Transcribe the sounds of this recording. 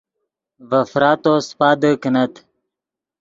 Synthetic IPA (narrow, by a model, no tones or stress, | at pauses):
vɐfɾaːt̪oːspaːd̪əkənɐt̪